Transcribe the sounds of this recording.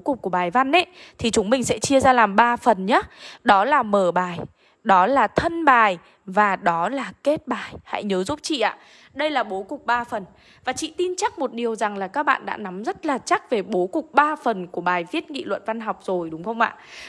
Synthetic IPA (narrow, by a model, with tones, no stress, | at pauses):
kʊ˨˩k͡p̚kːu˧˩əɓaː˨˩jva˧nɗe˨˦t̪ʰi˨˩t͡ɕʊ˨˦ŋ͡mmï˨˩ŋ̟sɛ̰˧˥t͡ɕi˧əzaː˧laː˨˩mɓaː˧fə˨˩nɲa˨˦ɗɔ˨˦laː˨˩məː˧˩ɓaː˨˩j | ɗɔ˨˦laː˨˩t̪ʰə˧nɓaː˨˩j | vaː˨˩ɗɔ˨˦laː˨˩ke˦˥t̚ɓaː˨˩jha̰˧˥jɲəː˨˦zu˦˥p̚t͡ɕḭ˧˨ʔa̰ː˧˨ | ɗə˧jlaː˨˩ɓo˨˦kʊ˨˩k͡p̚ɓaː˧fə˨˩n | vaː˨˩t͡ɕḭ˧˨t̪i˧nt͡ɕa˦˥k̚mo˨˩t̚ɗi˨˩əwza˨˩ŋlaː˨˩kaː˦˥k̚ɓa̰ː˧˨nɗa̰ː˧˥na˨˦mzə˦˥t̚laː˨˩t͡ɕa˦˥k̚ve˨˩ɓo˨˦kʊ˨˩k͡p̚ɓaː˧fə˨˩nku˧˩əɓaː˨˩jvi˦˥ət̚ŋḭ˧˨lwə̰˧˨nva˧nɦa˨˩wk͡p̚z̥o˨˩jɗʊ˨˦ŋ͡mxə˧ŋ͡mʔa̰ː˧˨